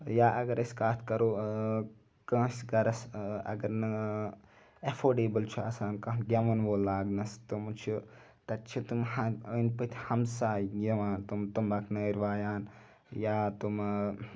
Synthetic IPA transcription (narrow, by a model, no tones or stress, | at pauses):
jaːʔɐɡɐɾɐsʲkaːt̪ʰkɐɾoː | kɐ̃ːsʲɡɐɾɐsɐ̰ɡɐɾnɨ | ɐfoːɖeːbɐlt͡ʃʰuɐ̰saːnkɐɡʲɐʋɐnʋoːlaːɡnɐst̪umt͡ʃʰu | t̪ɐt͡ʃʰit̪umhɐnpɨt̪ʲʰhɐmsaːɡɐʋaːnt̪umt̪umbɐkʰnɐɾʋaːjaːn | jaːt̪um